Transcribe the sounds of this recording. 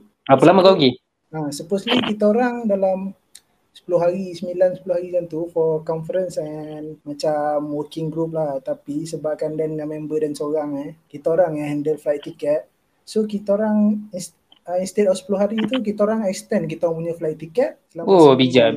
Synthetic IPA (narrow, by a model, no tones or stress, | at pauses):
apəlaməkaki | asəposlikit̪aoɾaŋdalam | sə̥pulʊɦaɾisəmilansə̥puluhaɾikant̪ufɔkɔnfəɾənsɛnmat͡ʃamːokɪŋɡɾup̬̚laht̪apisəbap̚kandɛnəmɛmbədansoɾaŋakit̪aoɾaŋaɦɛndəlflajt̪ːikɛt̪̚ | sok̬it̪aoɾaŋins | əinst̪et̪ɔfsə̥pulʊɦaɾit̪uk̬it̪aoɾaŋɛk̚st̪ɛnkit̪aoɾaŋpuɲəflajt̪ikɛt̪̚səlamobid͡ʒa